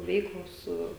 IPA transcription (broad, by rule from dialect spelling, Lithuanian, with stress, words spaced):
ˈʋʲɛɪklˠoːs ˈsʊ